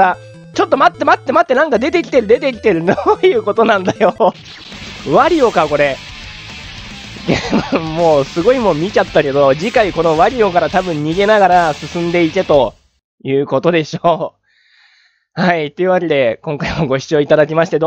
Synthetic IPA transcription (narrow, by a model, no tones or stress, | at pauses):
ɾa | t͡ɕo̞t̪ːo̞mat̪ːe̞mat̪ːe̞mat̪ːe̞nãŋkad̪e̞t̪e̞kʲi̥t̪e̞ɾɯ̟d̪e̞t̪e̞kʲi̥t̪e̞ɾɯ̟nojɯ̟ːko̞t̪o̞nãnd̪ajo̞ | βaɾʲio̞kako̞ɾe̞ | d̪emomo̞ːsɨɡo̞imo̞mʲit͡ɕat̪ːake̞d̪o̞d͡ʑikaiko̞no̞βaɾʲio̞kaɾat̪abɯ̟̃ɲ̟ɲːiɡe̞naɡaɾasɨsɨ̃nd̪e̞it̪e̞t̪o̞ | jɯ̟ːko̞t̪o̞d̪e̞ɕoː | hait̪o̞iɯ̟βake̞d̪e̞kõ̞ŋkaimo̞ɡo̞ɕi̥t͡sɨo̞it̪ad̪ak̬ʲimaɕi̥t̪e̞d̪